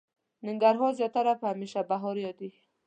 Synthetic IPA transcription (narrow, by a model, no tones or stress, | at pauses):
nɪŋɡaɾɦɔzjɔt̪aɾaphameʃabaɦɔɾjɔd̪i